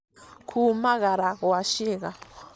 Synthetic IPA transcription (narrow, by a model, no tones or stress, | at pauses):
kʰumaɣaɾawaʃeɣa